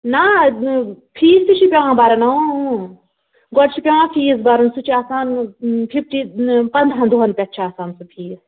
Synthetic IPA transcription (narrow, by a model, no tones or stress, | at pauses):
na | pʰiːst̪it͡ʃʰipʲãːbaɾɐnɐõ | ɡɔɽt͡ʃʰipʲãːpʰiːs̬baɾɐnsut͡ʃʰiaːsaːnpʰipʈipɐnd̪ʱɦɐ̃nd̪uɦɐnpʲɐt̪ːt͡ʃʰaːsaːnsɨpʰiːs